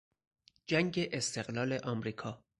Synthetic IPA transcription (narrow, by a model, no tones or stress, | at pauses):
d͡ʒæŋɟeʔest̪e̞ɣlɒːle̞ʔɒmɾiːkʰɒː